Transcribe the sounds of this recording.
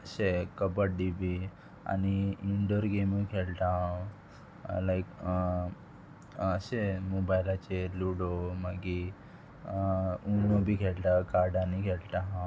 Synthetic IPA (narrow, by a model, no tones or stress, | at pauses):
əɕekəbəʈ̚ɖibi | a̰niiɳɖəɾɡemikʰelʈ̪aɦã | lajk | əɕemobajlat͡ɕeluɽoməɡi | unobʱiːkʰelʈ̪akaɾɖãnikʰeɽʈ̪aɦã